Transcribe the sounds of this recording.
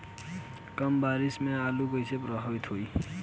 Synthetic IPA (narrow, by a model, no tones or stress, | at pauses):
kʌmbaɾismealuɡʌjsʰepɾʌɦʌbit̪ʰoj